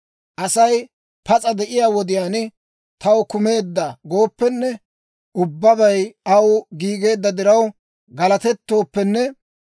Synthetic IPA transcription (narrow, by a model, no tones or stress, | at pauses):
ʔɐsɐj | pɐt͡sʼɐd̪ɛʔɪjaːwɔd̪ɪjaːnɪ | t̪ɐwkʊme̞ːd̪ːɐɡo̞ːpːɛnːɛ | ʊbːɐbɐjɐwɡiːɡe̞ːd̪ːɐd̪ɪɾɐw | ɡɐlɐt̪ɛt̪ːo̞ːpːɛnːɛ